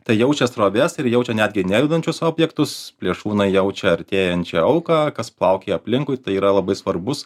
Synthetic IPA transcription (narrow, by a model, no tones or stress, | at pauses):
t̪ɐɪjɛʊt͡ʃʲɛst̪ɾoːʋʲɛsɪɾjɛʊt͡ʃʲɛnʲæːd̪ʲɡʲɪnʲæjʲɪd̪ɐnʲt͡ʃʲʊsoːbʲjɛkt̪ʊspʲlʲiɛʃuːnɐɪjɛʊt͡ʃʲɛɐɾʲt̪ʲeːjɛnʲt͡ʃʲɛɐʊkɑːkɐsplˠɐʊkʲeːɐpʲlʲɪŋkʊɪt̪ɐɪiːɾɐlˠɐbɐɪsʋɐɾbʊs